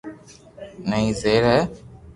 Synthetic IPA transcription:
nəĩːzeːɾɛː

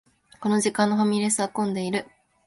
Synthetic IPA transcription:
ko̞no̞ʑikãnːoɦamʲiɾesɨakõ̞nd̪e̞iɾɯ̟

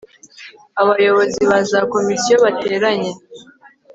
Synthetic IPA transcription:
aβajo̞βo̞ziβazako̞misijo̞βate̞ːɾaɲe̞

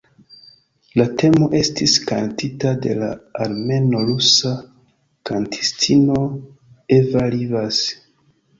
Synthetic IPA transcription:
late̞mo̞ʔe̞stiska̰ntitade̞̰la̰aɾme̞no̞lusa | kantʰi̥stʰino̞ | evalivas

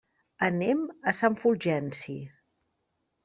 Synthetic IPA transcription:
əneməsaɱfulʒɛnsi

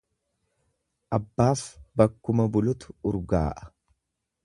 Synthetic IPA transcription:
ʔɐbːaːfbɐkːʊmɐbʊlʊt̪ʊ̥ʊɾɡa̰ːʔɐ̥

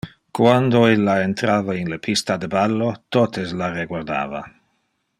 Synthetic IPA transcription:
kwand̪oelːaent̪ɾaːvainlepʰist̪ad̪ebalːot̪ot̪eslareɡwaɾd̪a̰ːva̰

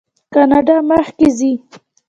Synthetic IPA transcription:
kɑnɑɖɑməxkezi

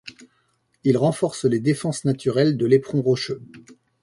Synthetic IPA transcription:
ilʁɑ̃fɔʁsled̪efɑ̃snat̪yʁɛld̪əlepχɔ̃ʁoʃø

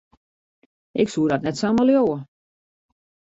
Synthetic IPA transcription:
ʔɪksuədɔtnɛtsaməljoːə

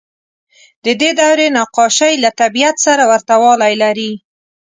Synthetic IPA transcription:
d̪əd̪ed̪awɾenɑqɑʃajlat̪abijat̪saɾawaɾt̪awɑlajlaɾi

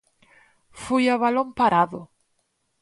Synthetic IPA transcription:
fujaβalompaɾaðʊ

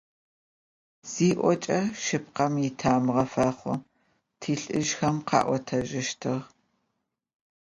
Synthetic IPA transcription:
z̥iːʔʷɔt͡ʃʼɐʃɨp̚qɐmitʰaːmʁɐfɐχʷʊ | tʰiːɬʼɨʒxɐmqɑ̰ːʔʷɔtʰɐʒɪʃtʰɨʁ

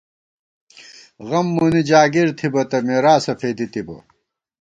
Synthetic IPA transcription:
ɣɐmːunid͡ʑaːɡiɾt̪ʰibɐt̪ɐmeːɾaːsɐfʰeːd̪it̪ibɐ̰

